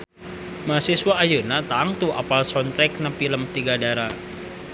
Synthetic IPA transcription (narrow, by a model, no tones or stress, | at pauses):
masiswaːjənat̪aŋt̪uʔa̰palsɔnt̪ɾɛk̚napiləmt̪iɡadaɾa